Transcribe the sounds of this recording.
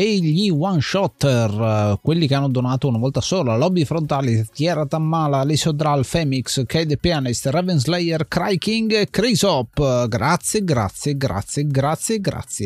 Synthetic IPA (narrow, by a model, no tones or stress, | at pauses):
eʎiwanʃɔt̪ːɛrkwelːikeanːod̪onaːt̪ounavɔlt̪asoːlalɔbifɾont̪alit̪jɛɾat̪amːaːlalisod̪ɾalfɛmikskɛjd̪epjanist̪rɛvɛnzlɛjɛrkɾajkiŋɡkɾezɔpːɡɾat̪sːjeɡɾa̰t̪sjeɡɾa̰t̪sːjeɡɾat̪sːjeɡɾa̰t̪sːje